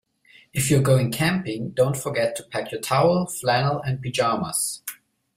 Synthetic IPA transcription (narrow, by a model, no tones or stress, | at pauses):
ɨfjuɡoʊɪ̃ŋkʰæ̃mpɪ̃ŋdõʊ̃ntfə˞ɡɛtʰːu̥pʰækʰjə˞tʰaʊl̩ˠflænl̩ˠɨ̃n̚bid͡ʒɑmə̰s